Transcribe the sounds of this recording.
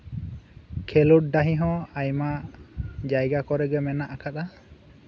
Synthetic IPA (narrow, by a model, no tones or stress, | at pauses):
kʰɛluʈ̚daɦĩɦɔ̃ajma | d͡ʒajɡakɔɾɛɡɛmɛnaʔakʰat̪a